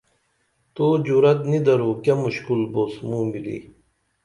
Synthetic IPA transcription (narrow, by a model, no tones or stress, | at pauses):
t̪uːd͡ʑuɾɐt̪nid̪ɐɾuːkɐmuɕkulboːsmuːmilḭː